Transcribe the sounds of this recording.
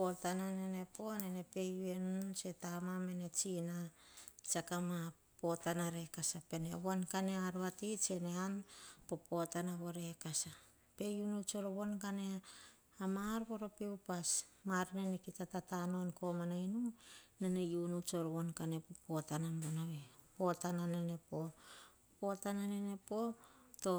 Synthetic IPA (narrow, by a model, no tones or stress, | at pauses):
potananene̞po̞nene̞pe̞jue̞nut͡ʃe̞tamame̞ne̞t͡ʃinat͡ʃakama | po̞tanaɾe̞kasape̞neβonkane̞aɾoatit͡ʃe̞ne̞anpo̞po̞tanaβo̞ɾe̞kasa | pe̞junut͡ʃo̞ɾoβo̞nkane | amaɾko̞ɾopiupasmaɾnenekitatatano̞nko̞manainunenejunut͡ʃoɾoβo̞nkane̞popo̞tanambonaβepo̞tananene̞po̞ | po̞tananene̞po̞to̞